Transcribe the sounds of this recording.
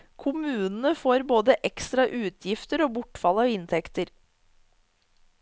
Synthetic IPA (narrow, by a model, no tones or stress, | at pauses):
kʰʊmʉːnn̩əfoːɾboːd̪əʔɛkst̪ɾɑʔʉːt̪ʰjɪft̪əɾoːbʊʈfɑlɑːʋɪnt̪ʰɛkt̪əɾ